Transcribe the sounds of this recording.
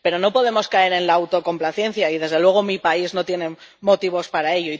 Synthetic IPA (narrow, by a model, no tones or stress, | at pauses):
pe̞ɾo̞no̞po̞ðe̞mo̞skae̞ɾe̞nlaːwt̪o̞ko̞mplaθje̞n̟θjaið̞e̞zðe̞lwe̞ɣ̞o̞mipaizno̞t̪je̞ne̞mo̞t̪iβo̞spaɾae̞ʎo̞i